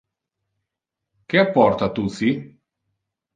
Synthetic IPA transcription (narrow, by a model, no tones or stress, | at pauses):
k̟eapːɔrt̪at̪usi